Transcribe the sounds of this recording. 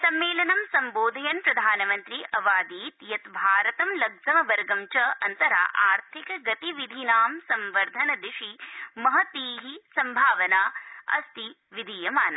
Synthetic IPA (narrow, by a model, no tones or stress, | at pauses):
sɐmːeːlɐnɐmsɐmboːd̪ʱɐjɐnpɾɐd̪ʱaːnɐmɐnt̪ɾiʔɐʋaːd̪iːt̪jɐt̪bʱaːɾɐt̪ɐmlɐɡzɐmɐʋɐɾɡɐmt͡ʃɐʔɐnt̪ɐɾa̰ːʔaːɾt̪ʰikɐɡɐt̪iʋid̪ʱinaːmsɐmʋɐɾd̪ʱɐnɐd̪iʂimɐɦɐt̪iːɦisɐmbʱaːʋɐnaːɐ̰st̪i | ʋid̪ʱiːjɐmaːnɐ